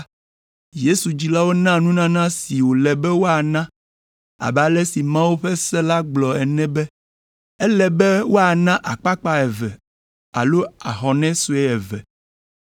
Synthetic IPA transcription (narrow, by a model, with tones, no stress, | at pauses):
je˦su˨d͡ʑi˨la˦wo˦nã˦nũ˦nã˦nã˦si˨wo˨lɛ˨bɛ˦wo˦a˨nã˦ | a̰˨ba˨lɛ˦si˨mã˦wu˦ɸɛ˦sɛ˦la˦ɡ͡blɔ˨ɛ˨nɛ̃˦bɛ˦ | ɛ˦lɛ˨bɛ˦wo˦a˨nã˦ʔa˨k͡pa˦k͡pa˦ɛ˨vɛ̰˨ | a̰˨lo˦a˨xɔ˨nɛ̃˦su˦ɛ˦ɛ˨vɛ̰˨